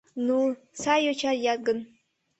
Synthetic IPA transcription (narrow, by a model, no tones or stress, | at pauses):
nu | sajot͡ʃʰarjat̚ɡɨn